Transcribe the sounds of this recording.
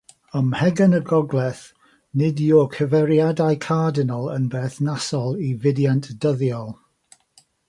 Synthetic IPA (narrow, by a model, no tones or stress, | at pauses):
əmhɛɡənəɡɔɡlˠɛθ | nɪdjokʰəvɛɾijadajkʰaːdɪnəlˠə̰nbeːθnasɔlˠivɪdjantʰd̥əðjɔlˠ